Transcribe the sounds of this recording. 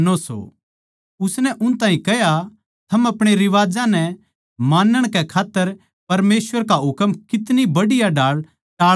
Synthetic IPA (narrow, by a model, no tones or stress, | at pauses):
noso̰ | ʊsnɛʔʊnt̪aːɦĩkɛja | t̪ʰɐmɐpɽ̃eɾɪʋaːd͡ʒãnɛ | maːnːəɽ̃kɛkʰaːt̪ːəɾ | pɐɾmeːsʋəɾkaɦʊkmkɪt̪nibɐɽɪjaɖaːɭ | ʈaː